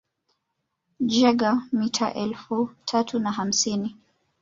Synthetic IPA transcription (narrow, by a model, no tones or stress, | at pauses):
d͡ʒɛɡamitʰaʔɛlfutʰatunaɦam̩sini